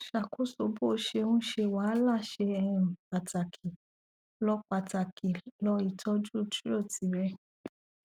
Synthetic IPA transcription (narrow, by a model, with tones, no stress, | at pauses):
ʃa˨ku˦so˨˧˨bo˦˨˦ʃe˧ũ˦ʃe˧wa˨˦la˦˨ʃe˧ɛ˧ɾũ˨k͡pa˨ta˨kʰi˨ | lɔ˧k͡pa˧ta˨kʰi˨lɔ˧i˧˨tʰɔ˧˦d͡ʒu˦˨tu˦o˦˨ti˨˦ɾɛ˦˧